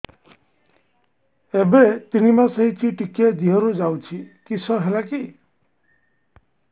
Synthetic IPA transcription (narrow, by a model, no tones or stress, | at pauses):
ebet̪inimasʌɦit͡ʃʰiʈiked̪iɦɔɾud͡ʒawt͡ʃʰikisʰɔɦelaki